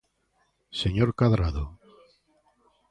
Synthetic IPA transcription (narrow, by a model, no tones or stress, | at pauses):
seɲoɾkaðɾaðo